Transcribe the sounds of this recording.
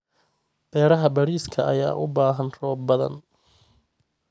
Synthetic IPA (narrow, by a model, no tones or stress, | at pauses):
b̥ɛːɾɐɦɐbɐɽiːskʰɐʔɐja̰ːʔʊbaːɦɐnrɔːbɐðɐ̰n